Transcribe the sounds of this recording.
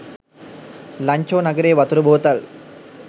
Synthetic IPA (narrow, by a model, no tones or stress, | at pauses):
lɐɲt͡ʃoːnɐɡɐɾeːʋɐt̪ɾɯbʱoːt̪ɐl